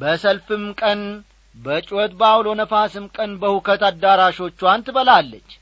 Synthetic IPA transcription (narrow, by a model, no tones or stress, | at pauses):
bəsəlfɨmkʼən | bət͡ʃʼwɔt̪bawlo̞nəfasɨmkʼənbəhukʰət̪ad̪ːaɾaʃo̞t͡ʃːuwant̪ɨβəlalːət͡ʃː